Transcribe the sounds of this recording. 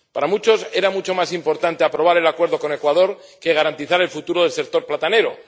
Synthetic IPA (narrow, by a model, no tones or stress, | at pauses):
paɾamut͡ʃo̞se̞ɾamut͡ʃo̞masimpo̞ɾt̪ant̪eapɾo̞β̞aɾe̞lakwe̞ɾð̞o̞ko̞ne̞kwaðo̞ɾ | ke̞ɣ̞aɾant̪iθaɾe̞lfut̪uɾoð̞e̞lse̞k̚t̪o̞ɾplat̪ane̞ɾo